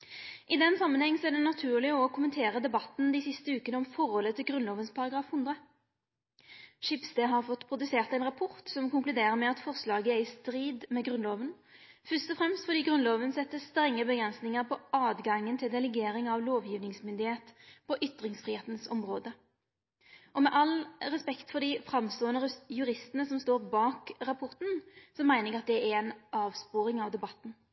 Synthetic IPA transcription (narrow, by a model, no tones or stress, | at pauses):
ʔɪd̪ɛnsɑmːənhɛŋːsɔæʁɖɛnɑt̪ʰʉːʁlɪɔkʰʊmənt̪ʰeːʁəd̪ɛbɑt̪n̩d̪iːsɪst̪əʉːkənəɔmfɔʁɔlət̪ʰɪlɡʁʉnloːʋənspʰɑʁɑɡɾɑːfhʉnd̪ʁə | ʃɪpsd̪eɦɑʁfɔt̪ːpʰʁʊd̪ʉseːʁt̪ɛɪnʁɑpʰɔʁt̪sɔmkʊŋklʉd̪eːʁəmɛɑt̪fɔʁslɑːɡəɛɪst̪ɾiːd̪mɛɡʁʉnloːʋən | fœʁst̪ɔfʁɛmst̪fɔʁd̪iːɡʁʉnloːʋənsɛt̪ːəst̪ɾɛŋːəbəɡʁɛnsnɪŋəʁpʰɔɑːd̪ɡɑŋːənt̪ʰɪld̪ɛlɛɡeːɾɪŋɑʋloːʋjiːʋnɪŋsmʏnd̪ɪheːt̪pʰɔʔʏt̪ːʁɪŋsfʁiːheːt̪nsɔmʁoːd̪ə | ʔɔmɛʔɑlʁɛspɛkt̪fɔd̪ɪfʁɑmst̪oːənəɾjʉʁɪst̪ənəsɔmst̪oːʁbɑːkʁɑpʰɔʁt̪n̩sɔmːæɪnɪɑt̪̚d̪ɛɛæɛnʔɑːʋspoːɾɪŋɑʋd̪ɛbɑt̪ːn̩